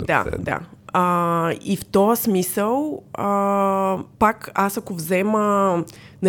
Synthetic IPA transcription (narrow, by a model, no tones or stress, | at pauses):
d̪a̰d̪a̰əift̪ɔəsmisəlˠə | pakasɐkovzɛmə | nɐ